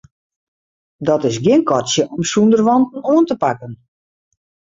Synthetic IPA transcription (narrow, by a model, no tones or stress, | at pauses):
dɔtɪsɡjɪənkɔtsjəʔɔmsundərʋɔntn̩oəntəpakən